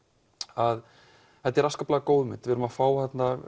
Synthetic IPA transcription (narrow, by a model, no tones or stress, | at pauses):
að | θɛt̪ːɛɾaskaplaːɣakowðʏmɪnt̪vɪɾʏmafaːwθɛt̪na